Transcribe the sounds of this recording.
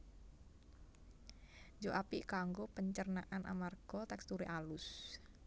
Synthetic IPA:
d͡ʒoʔapiʔkaŋɡopəɲt͡ʃərnaʔanʔa̰marɡ̥ɔt̪ɛkst̪uɾeʔalʊs

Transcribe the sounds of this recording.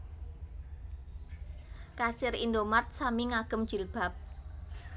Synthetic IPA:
kasɪɾind̪omart̪̚samiŋaɡ̥ə̤md̥ʒ̥i̤lb̥a̤p̚

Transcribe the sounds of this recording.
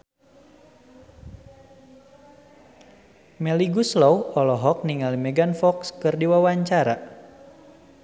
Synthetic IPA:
mɛliɡuslɔwɔlɔɦɔk̚niŋalimɛɡanfɔkskɨrdiwawaɲt͡ʃaɾa

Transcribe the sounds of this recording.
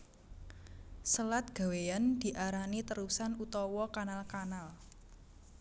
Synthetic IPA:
səlat̪̚ɡ̥a̤wejand̪̥i̤ʔaɾanit̪əɾusanut̪ɔwɔkanalkanal

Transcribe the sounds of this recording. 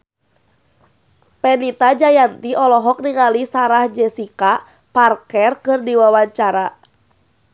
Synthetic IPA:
pɛnit̪ad͡ʒajant̪iɔlɔɦɔk̚niŋalisaɾahd͡ʒɛsika | parkɛrkɨrdiwawaɲt͡ʃaɾa

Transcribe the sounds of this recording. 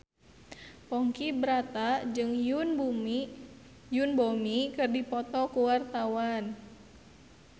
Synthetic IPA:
pɔŋkibɾat̪ad͡ʒɨŋunbu | junbɔmikɨrdipɔt̪ɔkuwart̪awan

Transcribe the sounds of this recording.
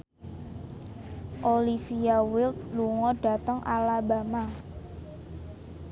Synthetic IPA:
ʔolifiawɪlt̪̚luŋɔɖ̥a̤t̪əŋʔalabama

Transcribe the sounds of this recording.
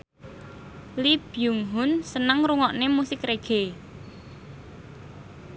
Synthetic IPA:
lib̥juŋɦʊnsənəŋɾuŋɔʔnemusɪkreɡ̥e

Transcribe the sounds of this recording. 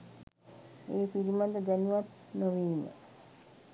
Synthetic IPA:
eːpiɾimad̪əd̪ænuʋat̪noʋiːmə̰

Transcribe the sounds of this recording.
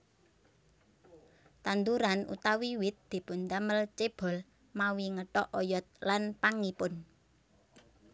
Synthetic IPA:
t̪and̪uɾanṵt̪awiwɪt̪̚d̪̥e̤pʊnd̪aməlt͡ʃeb̥ɔ̤l | mawiŋəʈɔʔɔjɔt̪̚lanpaŋipʊn

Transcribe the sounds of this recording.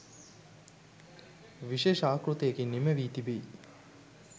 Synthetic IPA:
ʋiʃeːʃaːkɾut̪ejekiniməʋiːt̪ibei

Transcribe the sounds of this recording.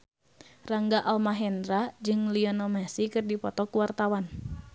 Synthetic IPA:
raŋɡaʔalmaɦɛndɾad͡ʒɨŋliɔnɔmasikɨrdipɔt̪ɔkuwart̪awan

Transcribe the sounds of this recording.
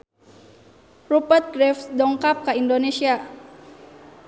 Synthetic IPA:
rupət̪̚ɡɾɛfsdɔŋkap̚kəindonesia

